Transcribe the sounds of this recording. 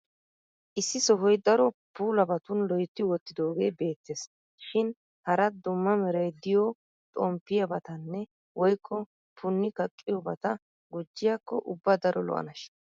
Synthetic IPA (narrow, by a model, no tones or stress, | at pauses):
ʔɪsːɪsɔɦɔjd̪ɐɾɔpuːlɐbɐt̪ʊnlɔjt̪ːɪwɔt̪ːɪd̪o̞ːɡe̞ːbe̞ːt̪ːes | ʃɪn | hɐɾɐd̪ʊmːɐmɛɾɐjd̪ɪjɔ | t̪ʼɔmpːɪjɐbɐt̪ɐnːɛ | wɔjkʰːɔ | pʰʊnːɪkɐkʼːɪjɔbɐt̪ɐ | ɡʊd͡ʒːɪjakːɔʔʊbːɐd̪ɐɾɔlɔ̰ʔɐ̰nɐʃ